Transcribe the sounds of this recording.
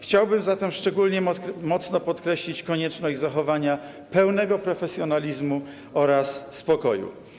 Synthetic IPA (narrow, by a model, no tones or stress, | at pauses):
xt͡ɕawbɘmzat̪ɛmʂt͡ʂɛɡulɲɛmɔt̪snɔpɔt̪kɾɛɕlʲit͡ɕkɔɲɛt͡ʂnɔʑd͡ʑʲzaxɔvaɲa | pɛwnɛɡɔpɾɔfɛsʲjɔnalʲizmu | ɔɾasspɔkɔjṵ